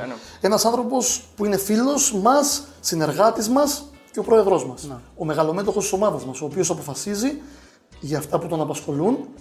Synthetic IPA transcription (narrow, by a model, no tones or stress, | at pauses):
e̞nɐsɐnθɾo̞po̞spuine̞filo̞smɐsːine̞ɾɣɐt̪izmɐs | ce̞o̞pɾo̞e̞ðɾo̞zmɐso̞me̞ɣɐlo̞me̞t̪̬o̞xost̪isomɐðɐzmɐso̞ːpio̞sɐpo̞fɐsizi | ʝɐːft̪ɐput̪o̞nɐpɐsxo̞lun